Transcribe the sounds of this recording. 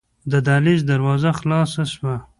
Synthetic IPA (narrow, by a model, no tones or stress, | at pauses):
d̪əd̪ɑlɪzd̪aɾwɑːzaxlɑsaʃma